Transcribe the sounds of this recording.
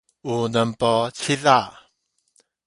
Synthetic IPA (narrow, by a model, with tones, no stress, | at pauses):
u˨nə˨mpɔ˧t͡ɕʰi˦ða˥˨